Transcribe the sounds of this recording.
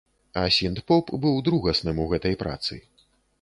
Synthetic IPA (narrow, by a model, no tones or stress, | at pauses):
ɐsʲint̪pɔpbɨwd̪ɾuɣɐsnɨmuɣɛt̪ɐjpɾa̰t̪sɨ̰